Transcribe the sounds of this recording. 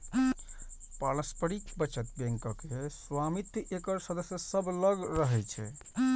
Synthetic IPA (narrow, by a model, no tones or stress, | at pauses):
paləspəɾikʰbət͡ʃət̪̚bɛ̃ŋkəkeswamit̪jʔekəɾsəd̪əsjəsəbʱləɡɾəɦɛjt͡ʃʰɛ̰